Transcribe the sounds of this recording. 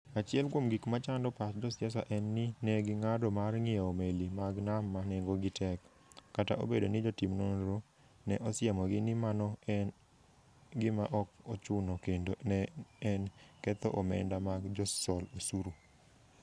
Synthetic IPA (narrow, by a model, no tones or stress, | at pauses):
at͡ʃɪɛlkwomɡikmat͡ʃandɔpatd͡ʒɔsjɛs̬a̰ʔɛnːɪnɛɡɪŋadɔmarŋɪɛomelimaɡnamːaneŋɡoɡɪtɛkː | ata̰ʔo̰bedonɪd͡ʒɔtimnonɾo | nɛʔɔsɪamɔɡɪnɪmanɔɛ | ɡɪmaʔɔkot͡ʃʊnɔkendonɛɛnkɛt̪ɔ̰ʔɔmɛ̰ndamaɡd͡ʒɔsɔlosuɾu